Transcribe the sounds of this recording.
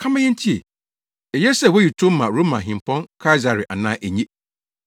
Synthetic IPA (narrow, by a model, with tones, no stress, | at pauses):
kʰã˦mã˦jɛ̃˦n̩˦tʰi˦ḛ˨ | ɛ˨jɛ˦sɛ˦˨wɔ˦ji˨tʰo˦m˦mã˨ɾo˦mã˨ɦĩ˨mpʰɔ̃˦nkʰa˦i˦za˨ɾɪ˨ʔa˨nãː˦ʔæ˨ɲẽ˦